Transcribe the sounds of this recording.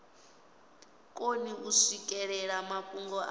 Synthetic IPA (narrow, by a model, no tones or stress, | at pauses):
kʼoniʔuʂikʼɛɺɛɺamakʼuŋɡɔʔa